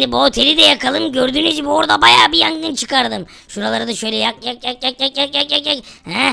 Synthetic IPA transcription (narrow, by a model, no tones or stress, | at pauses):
d̪ibuo̞t̪ʰe̞lʲid̪ɛjakalˠɯmɟøɾd̪yːnyd͡ʒibuoɾd̪abajaːbijaŋd̪ɯnt͡ʃʰɯ̥kaɾd̪ɯm | ʃuɾalˠaɾɯd̪aʃø̞jlʲɛjakjakjakjakjakjakjakjakjakhɛ